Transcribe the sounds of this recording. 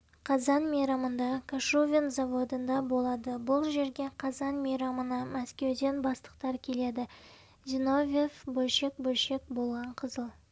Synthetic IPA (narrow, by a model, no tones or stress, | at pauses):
qʰɑzɑnmejɾɑmənd̪ɑkʰaʃuvʲinzɑvo̞d̪ənd̪ɑbo̞lˠɑd̪əbʊlˠʒe̞ɾɡʲe̞qʰɑzɑnmejɾɑmənɑmæskʲe̞wd̪e̞nbɑst̪ə̥q̚t̪ɑɾkʲʰe̞le̞d̪ɪ | zʲino̞vʲefbolʃe̞k̚bɵlʃe̞k̚bo̞lˠʁɑɴqʰəzəlˠ